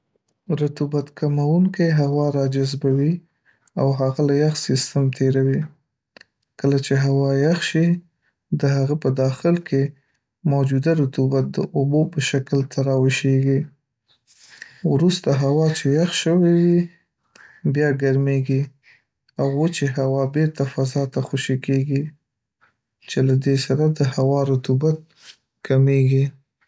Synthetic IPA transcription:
ɾʊt̪ubat̪kamawuŋkejɦawɑɾɑd͡ʒazbawi | awɦaɣalajaxsist̪əmt̪ʰeɾawi | kəlat͡ʃeɦawɑjaxʃi | d̪əɦaɣapəd̪ɑxɪlkʰe | mowd͡ʒud̪aɾʊt̪ubat̪̚d̪ə̰ʔobopəʃaklt̪ʰaɾɑwɪʃeɡi | wɾust̪aɦawɑt͡ʃejaxʃəwewi | bjɑɡaɾmeɡi | awot͡ʃeɦawɑbeɾt̪afazɑt̪axoʃikeɡi | t͡ʃelad̪esaɾad̪əhawɑɾʊt̪ubat̪̚ | kʰameɡi

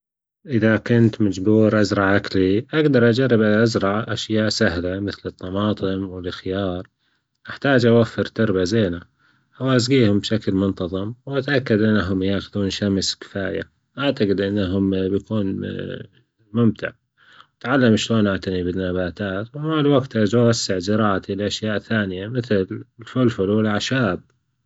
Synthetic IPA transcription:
ʔɪðakʊnt̪mad͡ʒbuːɾʔazɾˤɑʕʔakliʔaɡd̪ɑɾˤʔad͡ʒarˤːɪbʔaʔazɾˤɑʕʔaʃjaːʔsahlamɪθlɨt̪ˤːɑmɑːt̪ˤɨmwɪlxjɑːɾˤ | ʔaħt̪aːd͡ʒʔawafːɪɾt̪ɑɾˤbazeːna | wʔasɡiːhʊmbʃaklmʊnt̪ɑðˤɨmwʔat̪ʔakːad̪ʔɪnːaɦʊmjaːxʊðuːnʃamskɪ̥faːja̰ | ʔaʕt̪aɡɪd̪ʔɪnːaɦʊmbjakuːn | mʊmt̪ɪ̰ʕ | wat̪ʕalːamʃloːnʔaʕt̪anibɪnːabaːt̪aːt̪wɪmalwaɡt̪ʔad͡ʒwasːɪʕd͡ʒɪɾˤɑːʔat̪ilʔaʃjaːʔθaːnɪjamɪθllfʊlfʊlwɪlʕaʃaːb̚

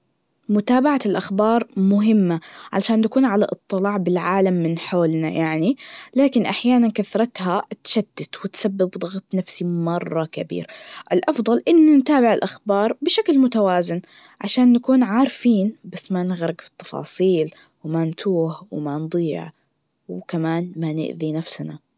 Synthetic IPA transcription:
mʊt̪aːbaʕalʔaxbɑːɾˤmʊɦɪmːaʕaʃaːnːakuːnʕala̰ʔɨt̪ˤːɨlɑːʕbɪlʕaːlamːɪnħoːlna̰jʔaʕnilaːkɪnʔaħjaːnankaθɾˤɑt̪hat̪ʃad̪̥ːat̪wɪt̪sabːɪbd̪ˤɑɣt̪ˤnafsimɑrˤːɑkabḭːɾʔɪlʔɑfd̪ˤɑlʔɪnːant̪aːbɪʕɪlʔaxbɑːɾˤbɪʃaklmʊt̪awaːzɪn | ʕaʃaːnːakuːnʕaːɾfiːnbasːmanɪɣɾˤɪɡfi̥t̪ːɑ̥fɑ̰ːsˤiːl | wmant̪ʰuːħwɪmand̪ˤiːʕ | wkamaːnmanɪ̰ʔðinafsna

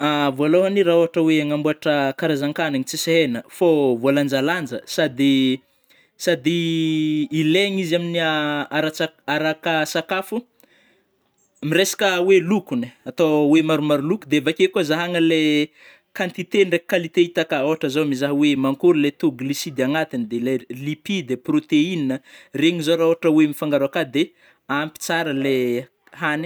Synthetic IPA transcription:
avoaloɦaniɾaoɦaʈ͡ʂəweaŋambuaʈ͡ʂəkaɾazaŋkanaɲit͡siseɦenəfovoland͡ʒaland͡ʒəsad̪i | sad̪iː | leŋiziaminiaaɾaaaɾakasakafu | miɾesḁkəwelukuniat̪owemaɾumaɾulukud̪eavakʲekuazaɦaŋəle | kant̪it̪enrekalit̪eit̪akəoɦaʈ͡ʂəzomizaɦəwemaŋkuɾilet̪uɡlisid̪aŋat̪inid̪elelipid̪eprot̪eininəreɲizoɾaoaʈ͡ʂəwemifaŋɡaɾakad̪e | ampi̥t͡saɾəle | hani̥

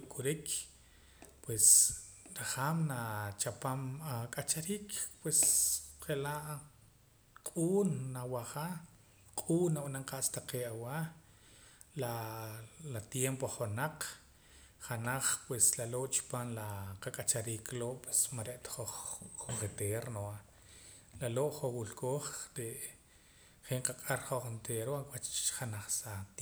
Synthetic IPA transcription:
kʼuɾik | pwes | ɾaχaːmnat͡ʃapamakʼat͡ʃaɾiːkpwesχeʔlaʔ | qʼuːnːawaχa | qʼuːnːawanaŋqʼaʔst̪aqeːʔawa | la | lat̪jempoχonaq͡χ | χanaχpweslaloʔt͡ʃi̥paːnlaqakʼat͡ʃaɾiːkloʔpwesmaɾeʔt̪ḁχoχoket̪eɾnoa | laloʔχowulkoːχɾeʔ | χeɴqakʼaɾχoχent̪ʰeːɾoakwat͡ʃt͡ʃχanaχsat̪

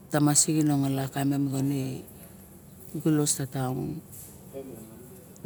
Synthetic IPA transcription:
tamasiɡinoŋalakamemɡone | ɡulo̞statawn

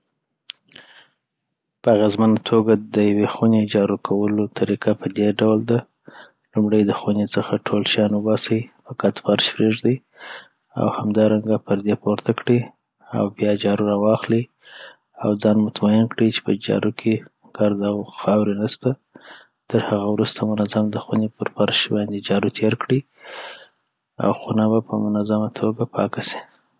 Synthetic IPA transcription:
pəaɣezmanat̪ʰoɡad̪əjawexuned͡ʒɑɾukʰawəlot̪ʰaɾikapəd̪eɖawld̪a | lumɽəjd̪əxunet͡səxaʈʰolʃjɑnwəbɑsaipəkat̪faɾʃpɾeʐd̪i | a̰whamd̪ɑɾaŋɡapəɾd̪epoɾt̪akɽi | a̰wbjɑd͡ʒɑɾuɾɑwɑxli | a̰wd͡zɑnmʊt̪majɪnkɽit͡ʃe̥pəd͡ʒɑ̰ɾukʰe | ɡ̥aɾd̪awxɑwɾinast̪a | t̪əɾhaɣawɾust̪ʰamʊnazamd̪əxwunepəɾfaɾʃbɑnd̪ed͡ʒɑɾut̪ʰeɾkɽi | a̰wxunabapəmʊnazamat̪ʰoɡapʰɑ̰kasi̥

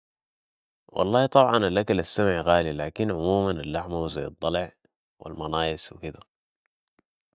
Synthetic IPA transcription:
wʔɑ̰lˤːɑːht̪ˤɑbʕɑnalʔakalasːamʕɣaːlilaːkinʕʊmuːmanalːaħmawzajːɑd̪ˤːɑlʕ | wʔḭlmɑnɑːjɪswḭkid̪a

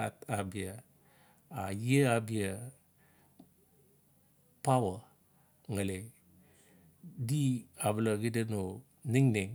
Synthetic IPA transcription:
atabija | ajeabija | pawə | ŋəle | diabələɡidəno | niŋneŋ

